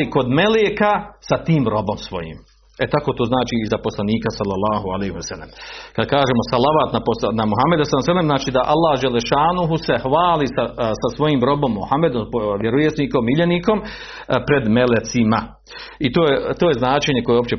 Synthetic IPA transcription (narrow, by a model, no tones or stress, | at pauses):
iko̞d̪meleːkasat̪iːmɾo̞bo̞msʋo̞̰jḭːm | et̪akot̪oːznaːt͡ʃiizapo̞slˠaniːkasalːalːaːɦualehiɛsalːḛmkad̪̚kaːʒeːmo̞salaʋaːt̪naponamuɦamːe̞d̪asalsalːemznaːt͡ʃiːd̪aʔalːaːhd͡ʒelːeʃaːnuɦuse̞hʋaːlisasasʋo̞jiːmɾo̞bo̞mːuhamːed̪ompoʋjeɾojesniko̞miʎeniko̞m | pɾe̞d̪melet̪sima | it̪oːjet̪oːje̞znaːt͡ʃeɲeko̞jeo̞pt͡ɕe